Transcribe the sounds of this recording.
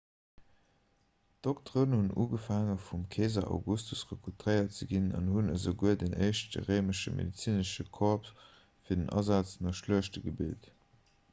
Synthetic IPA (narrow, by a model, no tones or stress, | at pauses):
d̥oktʁoːnhunʔṵːɡəfaːŋəfumkʰeːzɐʔa̰ʊɡustʰusʁəkʰutʁəɪɐt̚t͡səɡinɑ̰nhunəzəɡuədənəɪʃdə̰ʁəɪməʃəmḛdit͡siːnəʃəkʰɔʁp | fiːɐdənʔɑ̰zaːt͡snɑʃluəʃtəɡəbḭlt